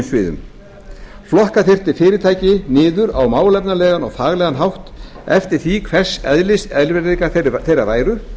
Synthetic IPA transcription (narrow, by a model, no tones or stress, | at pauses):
msvɪːðʏ̰m | flɔhkaθɪr̥t̪ɪfɪːɾɪɾt̪ʰaːjcɪnɪːðʏɾawmaːwlɛp̚nalɛːɣanɔ̰ɣθaːɣlɛːɣanɦawht̪ɛft̪ɪɾ̥θikʰvɛr̥sɛðlɪsɛðlvɛɾekaθejɾavaːjɾʏ